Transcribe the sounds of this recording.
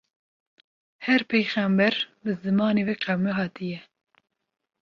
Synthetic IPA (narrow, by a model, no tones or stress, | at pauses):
hɛɾpʰejxæmbɛɾbɨzɨmɑːneːveːqɛwmɛɦɑːt̪ʰɨjɛ